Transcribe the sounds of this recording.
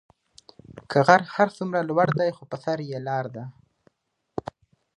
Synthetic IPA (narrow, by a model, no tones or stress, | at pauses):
kʰəɣaɾhaɾsumɾalwaɽd̪ajxopəsaɾjelɑɾd̪a